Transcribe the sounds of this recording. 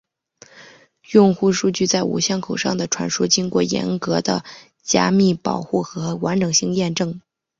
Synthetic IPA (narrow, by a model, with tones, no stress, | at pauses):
jʊ˥˧ŋxu˥˧ʂu˥˧t͡ɕy˥˧t͡sa˥˩ɪṵ˨˩ɕjɑ˥˩ŋkʰo˨˩ʊʂɑ˥˩ŋd̪ə˩ʈ͡ʂʰwa̰˧˥nʂu˥t͡ɕi˥ŋkwɔ˥˩jɛ̰˧˥nkɤ˧˥d̪ə̰˧ | t͡ɕja̰˥mi˥˩pɑ˨˩ʊxu˥˩xɤ˧˥wa˧˥nʈ͡ʂɤ˨˩ŋɕi˥˧ŋjɛ˥˧nʈ͡ʂɤ˥˩ŋ